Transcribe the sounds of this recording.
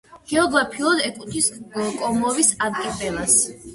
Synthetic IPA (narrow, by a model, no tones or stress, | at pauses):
ɡ̥ɛɔɡɾapʰiɔd̪ɛkʼut̪ʰiskʼɔmɔvisad̪kʼipʼɛlas